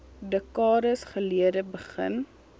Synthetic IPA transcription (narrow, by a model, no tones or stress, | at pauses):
dəkɑːɾəsχəliədəbəχə̰n